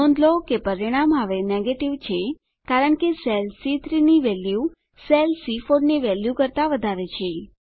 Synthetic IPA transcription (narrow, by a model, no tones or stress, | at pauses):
ɔ̃nd̪lokepəɾiɽ̃amɦaʋeneɡeʈiʋt͡ʃʰe | kaɾəɳkeselsit̪ʰɾiniʋɛlju | selsifoɽneʋɛljukəɾt̪aʋəd̪ʱaɾet͡ʃʰe